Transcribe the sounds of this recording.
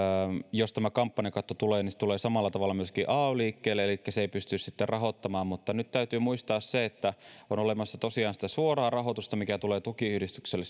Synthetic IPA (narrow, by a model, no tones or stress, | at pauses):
mjost̪æmækɑmpːɑnekɑt̪ːot̪uleːnisĕ̥t̪uleːsɑmɑlːɑt̪ɑʋɑlːɑmyøskiːʔɑːoliːkːeːlːeelikːæseeipyst̪yssit̪ːerɑɦot̪ːɑmɑːmmut̪ːɑnyt̪t̪æyt̪yːmuist̪ɑːsseet̪ːæonolemɑsːɑt̪osiɑːnsi̥t̪æsuorɑːrɑɦo̞t̪ust̪ɑmikæt̪uleːt̪ukiyhdist̪ykselːes